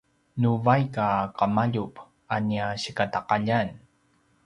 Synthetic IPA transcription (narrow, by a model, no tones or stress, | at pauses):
nuvajkaqamaʎup | aniaɕəkataqaʎan